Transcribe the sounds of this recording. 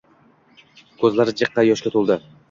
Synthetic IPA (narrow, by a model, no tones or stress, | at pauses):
kʰɵzlaɾɪd͡ʒɨqːɑjɒʃkʲat̪ʰolˠd̪ɪ